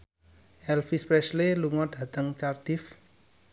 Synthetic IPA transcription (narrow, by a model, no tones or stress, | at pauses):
ʔɛlfispɾɛʃleluŋɔd̥ä̤t̪əŋt͡ʃard̪̥ɪf